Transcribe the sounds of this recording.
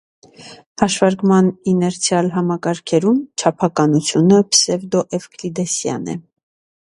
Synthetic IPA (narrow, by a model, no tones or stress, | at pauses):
hɑʃvɑɾkmɑninɛɾt͡sʰjɑlɦɑmɑkɑɾkʰɛɾumt͡ʃʰɑpʰɑkɑnut͡sʰjunəpsɛvd̪ɔʔɛvkʰlid̪ɛsjɑ̰nɛ̰